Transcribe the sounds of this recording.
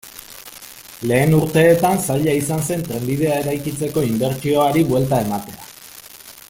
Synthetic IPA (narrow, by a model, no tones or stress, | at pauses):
le̞ːnuɾt̪e̞ːt̪ansaʎaisanse̞nt̪ɾe̞mbið̞e̞ae̞ɾajkit͡se̞ko̞imbe̞ɾt͡ʃio̞aɾiβwe̞lt̪ae̞mat̪e̞a